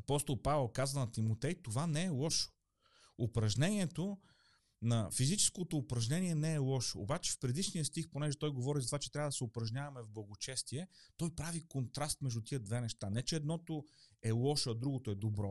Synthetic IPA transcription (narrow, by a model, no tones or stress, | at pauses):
ɐpɔst̪olˠpavɛlˠkazvɐnɐt̪imot̪ɛjt̪ovanɛːlˠɔʃo̥ | opɾɐʒnɛniɛt̪o | nɐfizit͡ʃɛ̥skot̪oːpɾɐʒnɛniɛnɛɛlˠɔʃoo̰ːbat͡ʃɛ̥fpɾɛd̪iʃnijəst̪ixponɛʒɛt̪ɔjɡovɔɾizɐt̪ovat͡ʃɛt̪ɾʲavɐəd̪ɐsɛopɾɐʒnʲavɐmɛvblˠɐɡot͡ʃɛst̪iɛt̪ɔjpɾavikont̪ɾast̪mɛʒd̪ut̪iəd̪vɛnɛʃt̪anɛt͡ʃɛːd̪nɔt̪oɛlˠɔʃəd̪ɾuɡot̪oɛd̪obɾɔ